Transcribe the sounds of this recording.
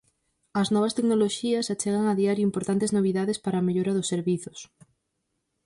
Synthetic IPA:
ɐznɔβ̞ɐst̪eknoloʃiɐsat͡ʃɛɣaŋaðiaɾjuimpoɾt̪ant̪eznoβ̞iðaðespaɾaːmeʎoɾɐðʊsːeɾβiθʊs

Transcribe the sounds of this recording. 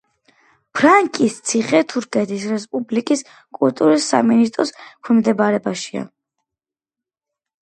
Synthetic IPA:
pʰɾaŋkʼist̪sʰiχɛt̪ʰuɾkʰɛt̪ʰisɾɛspʼublikʼis | kʼult̪ʼuɾisːa̰minist̪ʼɾɔskʰwɛmd̪ɛbaɾɛbaʃia̰

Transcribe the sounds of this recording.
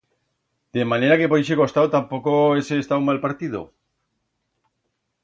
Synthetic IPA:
d̪̥emaneɾakepojʃeko̞st̪awt̪ampokoeseːst̪aumalpaɾt̪ið̞o̰

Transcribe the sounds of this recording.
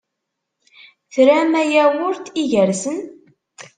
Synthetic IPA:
θɾæmæjæwʊɾt̪iʝəɾsən

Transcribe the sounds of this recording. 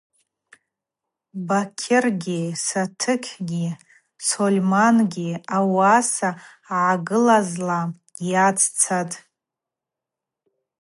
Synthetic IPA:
bakʲʰɪrɡʲisatʰɨkʲʰɡʲi | solʲmanɡʲiawasa | ʕaɡɨlazla | jat͡sʰʼt͡sʰatʼ

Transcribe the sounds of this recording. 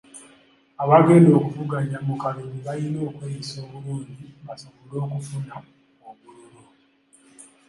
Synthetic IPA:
aβaɡe̞ːndo̞ːkuvuɡaɲamukaluniβajino̞ːkweɾiso̞ːβuluːɲɟiβasoβolo̞ːkufuna | oβululu

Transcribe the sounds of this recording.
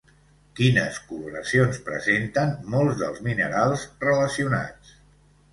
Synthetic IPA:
kinə̰skuluɾə̰sionspɾə̰zent̪ənmolˠzðə̰lˠzminəɾalˠzrələsiuna̰t͡s

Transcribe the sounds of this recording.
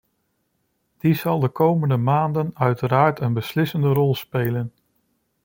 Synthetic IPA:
d̥izɑlˠdəkowməndəmaːndənœɥtəɾaːɹtənbəslɪsəndərɔlˠspeːlən

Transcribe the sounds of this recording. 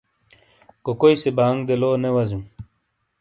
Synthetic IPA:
kokojsebaːŋɡd̪eloːnewɐzum

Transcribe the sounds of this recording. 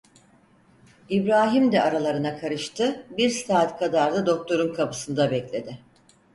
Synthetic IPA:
ibɾaːɦimd̪ɛʔaɾalˠaɾɯnakʰaɾɯʃt̪ʰɯbiɾsaːt̪kʰad̪aɾd̪ad̪o̞k̚t̪ʰo̞ɾunkʰapɯ̥sɯnd̪abɛclʲe̞d̪ɪ

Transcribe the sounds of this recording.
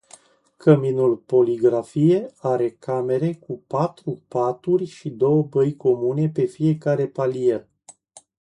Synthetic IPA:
kəminulpo̞liɡɾafije̞aɾe̞kame̞ɾe̞kupat̪ɾupat̪urʲʃid̪o̞wəbəjko̞mune̞pe̞fije̞kaɾe̞palije

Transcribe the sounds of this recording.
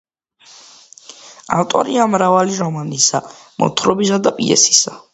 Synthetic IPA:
a̰lt̪ʼɔ̰ɾiamɾavaliɾɔmanisamɔ̰t̪ʰɾɔbisad̪apʼḭɛ̰si̥sa

